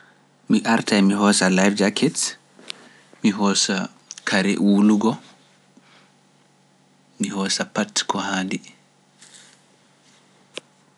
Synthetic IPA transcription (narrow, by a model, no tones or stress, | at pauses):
miʔaɾtʰajmiɦɔːsalajfd͡ʒakʰɛt | miɦɔsa | kʰaɾɛ̰ʔwuluɡɔ | miɦɔːsapatkʰɔhaːndi